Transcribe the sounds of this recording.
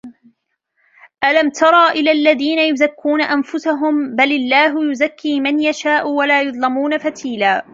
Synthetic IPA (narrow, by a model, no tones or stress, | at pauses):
ʔalamt̪ʰɑɾˤɑːʔɪlaːlːaðiːnajʊzakːuːnaʔanfʊsaɦʊmbalɪlːaːɦʊjʊzakːiːmanjaʃaːʔʊwalaːjʊðˤlɪmuːnafat̪ʰiːlaː